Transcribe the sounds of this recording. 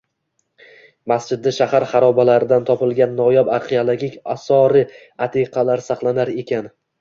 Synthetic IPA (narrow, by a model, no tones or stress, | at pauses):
masd͡ʒɪd̪ːaʃahaɾχɑɾɒbalaɾɪd̪ant̪ʰɒpɪlˠɡʲanːɒjɒbaɾχiolˠaɡʲikʲasɒɾɪ | at̪ʰiqʰɑlaɾsɑχlˠanaɾe̞kʲan